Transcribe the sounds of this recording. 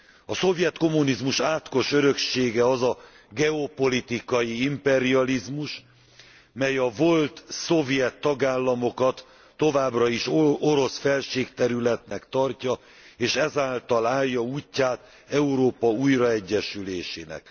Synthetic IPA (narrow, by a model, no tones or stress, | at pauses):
ɒso̞vjɛt̪ko̞munizmuʃaːt̪ko̞ʃøɾø̞kʃeːɡɛɒzɒ | ɡɛopo̞lit̪ikɒjiimpɛɾiɒlizmuʃ | mɛjɒvo̞lt̪so̞vjɛt̪ːɒɡaːlːɒmo̞kɒt̪ː | o̞vaːbrɒiʃoɾo̞sfɛlʃeːkt̪ɛɾylɛt̪nɛkt̪ɒrcɒ | eːʃɛzaːlt̪ɒlaːjːɒuːcːaːt̪ | ɛuɾoːpɒujrɒɛɟːɛʃyleːʃḛːnɛ̰k